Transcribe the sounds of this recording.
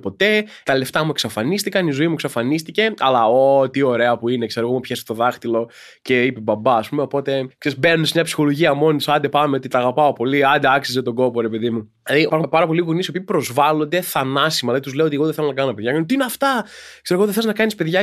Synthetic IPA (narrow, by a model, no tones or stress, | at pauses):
po̞t̪e̞ | t̪ɐle̞ft̪ɐmueksɐfɐnist̪ikɐnizo̞imueksɐfɐnist̪ice̞ɐlɐot̪io̞ɾe̞ɐpuine̞kse̞ɾoɣomupçest̪o̞ðɐxt̪ilo̞ | ce̞ipebɐbɐːspume̞o̞po̞t̪e̞kseɾizbenunesmɲɐpsi̥xo̞loʝiɐmo̞nt̪usɐnd̪e̞pɐmeot̪it̪ɐːɣɐpɐopo̞liɐnd̪eɐksizet̪oɡo̞poɾe̞pe̞ðimu | lɐðipɐɾxumpɐɾɐpo̞liɣunisio̞piːpɾo̞zvɐlo̞nd̪e̞θɐnɐsimɐlɐðit̪uzleoot̪eɣoðeθelonɐkɐnt̪ɐpeðʝɐkɐnt̪iineɐft̪ɐkseɾoɣoðeθeliznɐkɐnispeðʝɐ